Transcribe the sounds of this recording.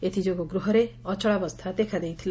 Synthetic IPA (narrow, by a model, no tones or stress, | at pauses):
et̪ʰid͡ʒoɡɔɡɾuɦɔɾeɔt͡ʃɔɭabɔst̪ʰad̪ekʰad̪ejt̪ʰil